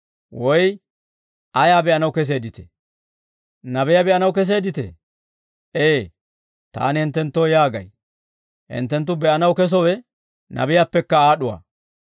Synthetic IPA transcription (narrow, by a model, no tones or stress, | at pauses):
wɔj | ʔɐjaːbɛʔɐnɐwkɛs̬e̞ːd̪ɪt̪ɛ̥̰ | nɐbɛjabɛʔɐnɐwkɛs̬e̞ːd̪ɪt̪ɛ̰ | ʔeː | t̪a̰ːnɪhɪnt̪ːɛnt̪ːoːjaːɡɐ̰j | hɪ̰nt̪ːɛnt̪̬ːʊbɛʔɐnɐwkɛs̬ɔwɛ | nɐ̰bɪjapːɛkːɐaːɗʊwa̰ː